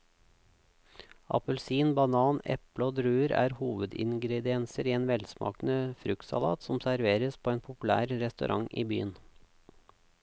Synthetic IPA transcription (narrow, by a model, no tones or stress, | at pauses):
ɑ̰pəlsiːnbɑnɑːnɛ̰pləoːd̪ɾʉːəɾæ̰ːɾhuːʋəd̪ɪ̰ŋɡɾɛd̪ɪɛnsəɾiːeːnʋɛlsmʔɑ̰ːkn̩əfɾʉk̪sɑ̰lɑ̰ːt̪sɔmsæɾʋeːɾəspʰoːeːnpʰʊplæ̰ːɾɾɛst̪ʉ̰ɾʔɑŋʔḭːby̰ːən